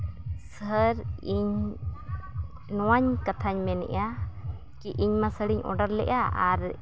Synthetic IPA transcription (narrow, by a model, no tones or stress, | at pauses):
səɾiɲ | nɔwaɲkat̪ʰaɲmɛnɛ̰ʔa | kiʔiɲmasəɽiɲʔɔ̰ɖaɾlɛ̰ʔaaɾ